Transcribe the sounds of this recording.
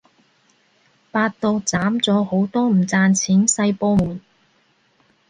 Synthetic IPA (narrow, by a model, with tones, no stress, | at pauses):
paː˧t̚t̪o˧wt͡saː˨˥mt͡sɔː˨˥ho˨˥wt̪ɔː˥m̩˨˩t͡saː˧nt͡sʰiː˨˥nsɐ˧jpoː˧muː˨˩n